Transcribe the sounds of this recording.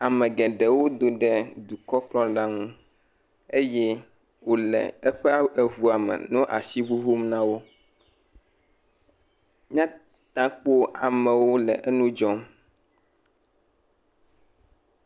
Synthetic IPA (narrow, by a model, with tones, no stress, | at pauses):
a˨mɛ̃˨ɡɛ˨ɖɛ˨wo˦d̪o˦ɖɛ˦d̪u˨kɔ˦k͡plɔ̃˦ɖa˦ŋũ˦ | e˦jɛ˦ | wo˦lɛ̰˨ɛ˦ɸɛ˦a˦ɛ˨ɦu˨a˨mɛ̰˨nũ˦ʔa̰˨si˦βu˦ɦu˦mnã˦wo˦ | ɲã˦ | t̪ã˦k͡po˦a˨mɛ̃˨wo˦lɛ˨ʔɛ˦nũ˦d͡ʒɔ˦m